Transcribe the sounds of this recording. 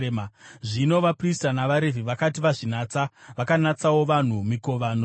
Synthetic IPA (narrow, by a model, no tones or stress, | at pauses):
mʐino̞ʋapristanaʋaɾe̞viʋakatiʋaʐinaːt͡saʋakanat͡sawo̞ʋan̤umiko̞ʋano